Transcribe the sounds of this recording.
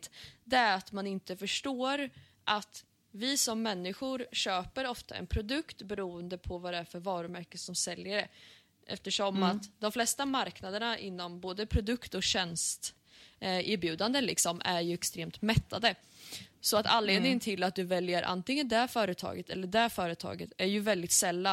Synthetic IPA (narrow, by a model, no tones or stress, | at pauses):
t̪d̪ɛæɾat̪manɪnt̪əfœʂʈoːɾ | ʔat̪ | vɪsɔmːɛnːɪɧʊɾɕøːpəɾɔft̪a̰ʔɛ̰npʰɾʊd̪ɵkt̪bɛɾuːənd̪əpʰɔvad̪ɛæɾfœɾvɑːɾɵmæɾkəsɔmsɛljəɾə | ʔɛ̰ft̪əʂɔmat̪d̪ɔmflɛst̪amaɾknad̪əɳaʔɪ̰nːɔmboːd̪əpʰɾʊd̪ɵkt̪ɔkɕɛnst̪ | ʔɪɾbjʉ̟ːd̪and̪əlɪksɔmʔæɾjɵɛkst̪ɾeːmt̪mɛt̪ːad̪ə | sɔat̪a̰nleːd̪nɪŋənt̪ʰɪlat̪̚d̪ɵvɛljəɾʔa̰nt̪ɪŋːənd̪æɾfœːɾət̪ʰɑ̰ːɡət̪ʰɛ̰lːəɖæɾfœːɾət̪ʰɑ̰ːɡət̪æɾjɵvɛld̪ɪt̪sɛlːa